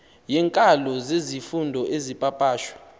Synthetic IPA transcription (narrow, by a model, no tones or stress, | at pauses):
jɛŋkʼalɔzezifundʱɔʔezipʼapʼaːʃwḁ